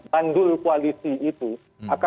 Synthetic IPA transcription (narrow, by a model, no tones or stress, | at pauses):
ban̩duikwalisiitu | aka